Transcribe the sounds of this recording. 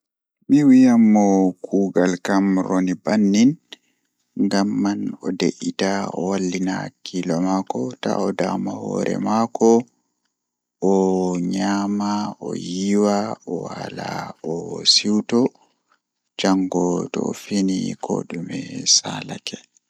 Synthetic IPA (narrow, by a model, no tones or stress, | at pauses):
miwijamːɔkʰuːɡalkamɾonibanːin | ŋɡamːanɔdeʔitaɔwalːinakʰilɔmakɔta̰ɔdamahɔ̰ɾɛ̰makɔ | ɔɲamaʔɔjiwaɔwalaɔsiwtɔ | d͡ʒaŋɡɔtɔfinikʰɔ̰ɗumɛsalakʰɛ